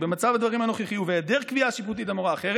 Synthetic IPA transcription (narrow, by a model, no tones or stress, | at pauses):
bemat͡savad̪vaʁimano̞χiχijuveed̪eʁkviaʃiput̪̬it̪amoʁaːχeʁ